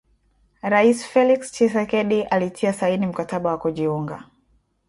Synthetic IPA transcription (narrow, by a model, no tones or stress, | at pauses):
ɾaisi̥fɛlikst͡ʃɛsɛkɛɗiʔalitʰiasainim̩kataɓawakuʄiuŋɡa̰